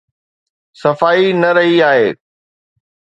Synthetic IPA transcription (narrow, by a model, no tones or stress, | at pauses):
sɐfaːinɐɾɐɦiaːɦeː